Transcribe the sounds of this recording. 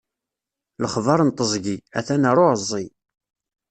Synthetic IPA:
ləχvɑɾˤənt̪ˤəzˤɡiæθænəɾˤoʕəzˤːi

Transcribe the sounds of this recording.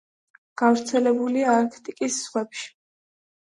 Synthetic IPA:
ɡ̥avɾt̪sʰɛlɛbuliaːɾkʰt̪ʼikʼisːʁwɛpʃi̥

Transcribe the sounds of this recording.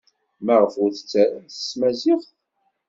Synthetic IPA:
mæʁəfʊɾθət͡sːæɾənθə̥smæziʁ

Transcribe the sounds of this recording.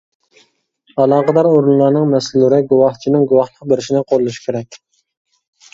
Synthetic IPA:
ɑlˠɑːʁəd̪ɑɾoɾunlˠɑɾnɨŋmɛslːɪɾɪɡuwɑht͡ʃʰinɪŋɡuwɑhlˠəq̚beɾɪʃinɪqʰolˠːuʃi̥kʲʰeɾɛkʲ

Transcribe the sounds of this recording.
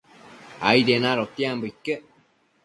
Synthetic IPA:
a̰iɾenãɾot̪iambɨike

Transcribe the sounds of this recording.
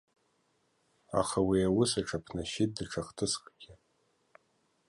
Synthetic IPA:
a̰χawiawʊsaʈ͡ʂʰapʰnaʃɪt̚dɨʈ͡ʂʰaχtʰɨsqʼɡʲɪ

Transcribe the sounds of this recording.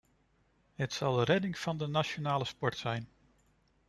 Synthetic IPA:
ɦətsɑlˠdəɾɛdɪŋv̥ɑndənaʃonaːləspɔɹtsɛjn

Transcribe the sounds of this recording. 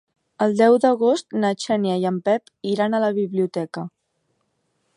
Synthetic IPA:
əlˠd̪ɛwd̪əɣost̪nət͡ʃɛnjəjəmpɛp | iɾanələβiβliut̪ɛkə

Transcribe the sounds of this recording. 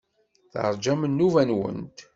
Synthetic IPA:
θə̰ɾˤd͡ʒæmənːuvænwə̰nt̪

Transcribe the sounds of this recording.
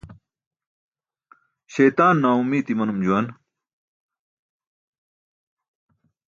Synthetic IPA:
ɕejt̪aːnːaːumiːt̪imɐnumd͡ʑuwɐn

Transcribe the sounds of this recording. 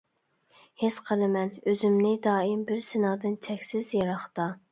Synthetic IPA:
hesqʰəlˠɨmɛnøzymnɪd̪ɑːimbɪɾsɪnɑːd̪ɨnt͡ʃʰɛkʲsɪzjɑɾɑχt̪ɑ

